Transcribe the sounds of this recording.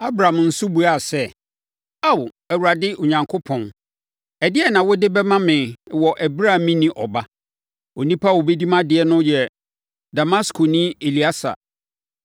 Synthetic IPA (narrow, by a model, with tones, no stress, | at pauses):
a˦bɾa˨a˨mn̩˦sʊ˦bu˨a˨sɛ˦ | a˦˨w | æ˨wu˨ɾa˨dɪ˦ʔʊ˨ɲã˨ŋkʰo˦pʰɔ̃˨n | ɛ˨dɪ˦ɛ˦nã˨wɔ˦dɪ˦bɛ˦mã˦mɪ̃˨wɔ˨ʔæ˨bɾa˦˨mĩ˦nĩ˦ʔɔ˨ba˦ | o˨nĩ˦pʰa˦˨wo˨be˦di˦mã˦dɪ˨ɛ˦nʊ̃˦jɛ˨ | da˨ma˦skʰo˨nĩ˦e˨li˨˦a˦sa̰˨